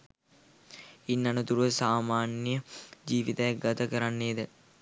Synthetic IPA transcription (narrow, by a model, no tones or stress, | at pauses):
inːɐnət̪uɾuʋəsaːmaːnijəd͡ʒiːʋit̪ɐjak̚ɡat̪ɐkəɾanːeːd̪ə